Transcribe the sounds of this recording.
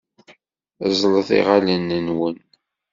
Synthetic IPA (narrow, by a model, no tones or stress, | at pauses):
zˤləθḭʁalənːənwən